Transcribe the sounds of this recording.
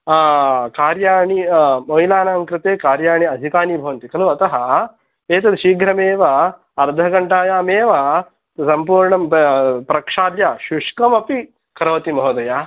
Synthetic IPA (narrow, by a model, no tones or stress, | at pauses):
kaːɾjaːɳimɐilaːnaːŋkɾɨt̪eːkaːɾjaːɳiɐd̪ʱikaːnibʱɐʋɐnt̪ikɐluɐt̪ɐɦɐ̆ | eːt̪ɐd̪ʃiːɡɾɐmeːʋɐ | ɐɾd̪ʱɐɡɐɳʈaːjaːmeːʋɐ | t̪ɐsɐmpuːɾɳɐmpɾɐkʂaːd̪jaʃuʂkɐmɐpi | kɐɾɐʋɐt̪imɐɦɐd̪ɐjaː